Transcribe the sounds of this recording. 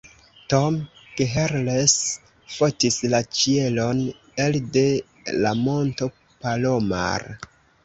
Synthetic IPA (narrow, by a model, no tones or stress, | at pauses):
tomɡ̥eɦeɾles | fotislat͡ʃie̞lo̞n | elde̞ | lamo̞nto̞ | paloma̰ɾ